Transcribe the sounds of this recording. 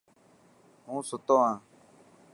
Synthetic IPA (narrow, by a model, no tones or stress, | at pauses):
ɦũːsʊt̪õːɦãː